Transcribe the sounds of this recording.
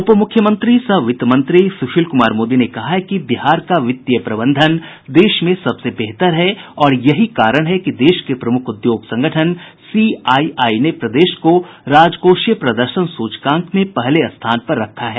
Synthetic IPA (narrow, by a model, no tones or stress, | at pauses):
ʊpəmʊkʰjəmə̃nt̪ɾisɐʋɪt̪mə̃nt̪ɾisʊʃʰiːlkʊmaːɾmoːd̪inekɐɦaɦɛkibɪɦaːɾkaʋɪt̪ːjəpɾɐbə̃nd̪ʱən | d̪eːʃmẽsɐbsebɛɦt̪əɾɦɛɔːɾjɐɦikaːɾəɽ̃ɦɛkid̪eːʃkepɾɐmʊkʰʊd̪joːɡsɐ̃ŋɡʱəʈʰənsiːaːiaːinepɾɐd̪eːʃkoɾaːd͡ʒkoːʃjəpɾɐd̪əɾʃənsuːt͡ʃkãːŋkʰmẽpɛɦleɐst̪ʰaːnpɐɾːɐkʰːaɦɛː